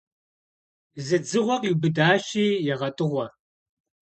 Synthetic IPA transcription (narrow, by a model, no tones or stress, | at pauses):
zɐd͡zɨʁʷɔqʼiwbɨdaːɕiːjɛʁɐtʼɨʁʷɔ